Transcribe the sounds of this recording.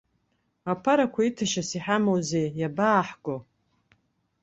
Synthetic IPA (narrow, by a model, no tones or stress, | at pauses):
apʰaɾakʷʰaitʰaʃasiħamowzejjabaːħɡʷo